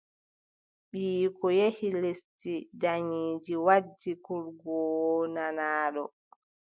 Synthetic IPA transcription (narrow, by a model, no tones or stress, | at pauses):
ɓiːkɔjehilestidaɲiːd͡ʒiwad͡ʒːikuɾɡɔnanaːɗɔ